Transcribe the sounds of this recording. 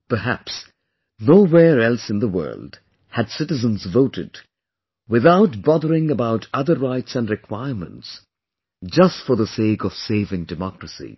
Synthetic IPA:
pə˞ɦæ̰ps | noʊwɛɹɛlˠsɨ̃nðəwɜ̰˞lˠd̥ | hɨd̥sɪɾɨzə̃nzvoʊɾɨ̰d | wɨðaʊt̚b̥ɑðə˞ɪ̃ŋəbaʊɾʰʌðə˞ɹaɪtsɨ̃ndɹɨkʰw̥aɪəɹmə̰̃nts | d͡ʒʌstfə˞ðəseɪkʌv̥seɪvɪ̃ŋdɨmɑkɹəsḭ

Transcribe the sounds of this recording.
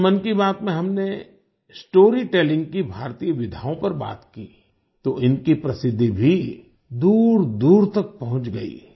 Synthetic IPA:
mənkibaːt̪mẽɦɐmne | sʈoːɾiʈɛːlɪ̃ŋɡkibʱaːɾt̪ijəʋɪd̪ʱaːõpɐɾba̰ːt̪kiː | t̪oʔɪnkipɾɐsɪd̪ʱːibʱi | d̪uːɾd̪uːɾt̪ɐk̚pɐɦʊ̃t͡ʃɡɐḭː

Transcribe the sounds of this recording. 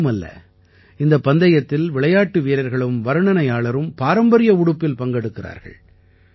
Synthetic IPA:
mɐlːɐ̰ | ɪnd̪ɐpːɐnd̪ɐjɐt̪ːɪlʋɪɭɐjaːʈːɯʋiːɾɐɾɣɐɭɯmʋɐɾɯɳɐnɐjaːɭɐɾɯmpaːɾɐmbɐɾɪjɐʊɽɯpːɪlpɐŋɡɛɽɯkːɪra̰ːɾɣɐ̰ɭ

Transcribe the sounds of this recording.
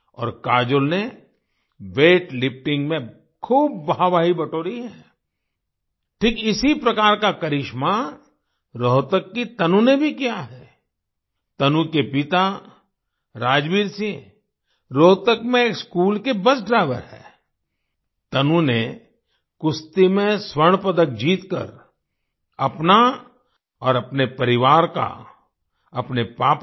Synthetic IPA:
ɔ̰ːɾkaːd͡ʒʊlne | ʋeːʈlɪp̚ʰʈɪ̃ŋɡmẽ | kʰuːbːɐaʋaːɦibɐʈoːɾiɦɛ | ʈʰiːkɪsipɾɐkaːɾkakɐɾɪʃma | ɾoːt̪əkːit̪ɐnũnebʱikijaɦɛː | t̪ɐnũkepɪt̪a | ɾaːd͡ʒʋiːɾsĩ | ɾoːt̪əkmẽeːkskuːlkebɐsɖɾaɪʋə̰ɾɦɛ̰ː | t̪ɐnũne | kʊst̪imẽswəɾɳ̃pɐd̪ək̚d͡ʒiːt̪kə̰ɾ | ɐpna | ɔːɾɐpnepɐɾɪʋaːɾka̰ | ɐpnepaːp

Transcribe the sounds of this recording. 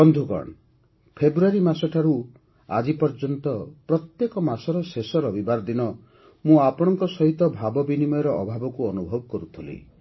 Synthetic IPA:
ɔnd̪ʱukɔ̰ɳ | pʰebɾuaɾimasɔʈʰaɾu | a̰d͡ʒipɔɾd͡ʒɔnt̪ɔpɾɔt̪jekɔmasɔɾɔsesɔɾɔbibaɾd̪inɔ | mũapɔɽ̃ɔŋkɔsɔɦit̪ɔbʱabɔbinimɔjɔɾɔʔɔbʱabɔkuɔnubʱɔbɔkɔɾut̪ʰilḭ

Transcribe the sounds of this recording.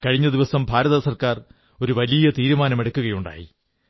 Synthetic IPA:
kɐɻiɲːɐd̪iʋɐsɐmbʱaːɾɐðɐsɐrkaːr | o̞ɾuʋɐlijɐt̪iːɾumaːnɐmeɽɐkːuɣɐjuɳɖa̰ːjḭ

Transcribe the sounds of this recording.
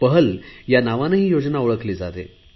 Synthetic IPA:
pəɦəljanaʋanəɦiːjod͡znaoɭəkliːd͡zat̪ḛ

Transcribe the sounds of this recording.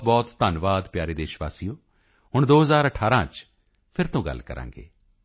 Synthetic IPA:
t̪̚bɔːt̪ːanʋaːd̪pjaːɾeːd̪eːʃʋa̰ːsijõː | hʊɳd̪oːɦəzaːɾəʈʰaːɾãːt͡ʃ | pʰɪɾt̪õːɡə̰lkə̰ɾʔã̰ːŋɡḛː

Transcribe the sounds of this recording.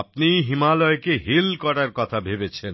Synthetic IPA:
pnijɦimalɔekeɦilkɔɽaɾkɔt̪ʰabʱebet͡ɕʰen

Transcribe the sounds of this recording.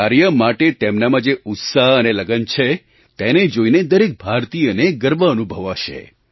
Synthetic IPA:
aɾjəmaʈet̪emnamãd͡ʒeʊt̪saɦəneləɡənt͡ʃʰe | t̪ened͡ʒoined̪əɾek̚bʱaɾt̪ijəneɡəɾʋəənubʱəʋaʃḛ

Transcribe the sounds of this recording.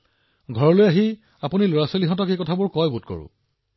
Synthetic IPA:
ɡʱɔɹɔlojaɦi | apuniloɹaseliɦɔ̃t̬ɔkejkɔtʰabʊɹkɔjbut̚kɔ̰ɹʊ̰̃

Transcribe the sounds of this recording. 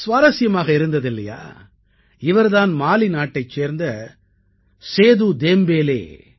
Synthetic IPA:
sʋaːɾɐsɪjɐmaːɣɐɪɾɯnd̪ɐðɪlːɐja̰ː | ɪʋɐɾðaːnmaːlinaːʈːɐɪt͡ʃːeːɾnd̪ɐ | seːðud̪eːmbeːlḛː

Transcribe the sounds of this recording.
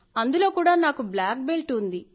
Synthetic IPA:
ɐnd̪ulo̞ːkuːɽaːnaːkublaːk̚belʈund̪i

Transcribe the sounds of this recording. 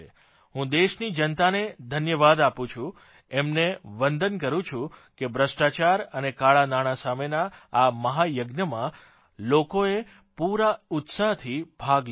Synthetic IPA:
ɦũd̪eʃnid͡ʒənt̪aned̪ʱənjəʋad̪apũt͡ʃʰũ | emneʋənd̪ənkəɾũt͡ʃʰũkebʱɾəʃʈat͡ʃaɾənekaɭanaɽ̃asamenaːməɦajəɡnəmã | lokoe | puɾaʊt̪saɦt̪ʰib̥ʱaɡl

